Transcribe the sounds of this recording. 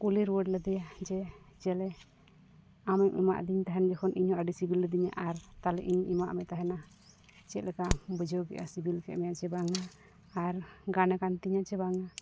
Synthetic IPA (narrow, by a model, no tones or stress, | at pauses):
kuliɾwəɖləd̪ɛjad͡ʒɛ | d͡ʒɛlɛ | amɛmʔḭma̰ʔd̪iɲt̪aɦɛnad͡ʒɛkʰɔnʔiɲɔʔaɖisibilːəd̪iɲa̰ʔaɾt̪alɛʔiɲʔima̰ʔmɛt̪aɦɛna | t͡ʃɛt̪̚lɛkaʔbəd͡ʒoɡɛ̰ʔasibilkɛ̰ʔmɛjat͡ʃɛbaŋaː | ɾɡanɛkant̪iɲat͡ʃɛbaŋa